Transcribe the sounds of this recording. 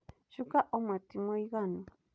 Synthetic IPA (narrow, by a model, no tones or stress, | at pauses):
ʃʊkaʔomat̪ɪmojɢɑnʊ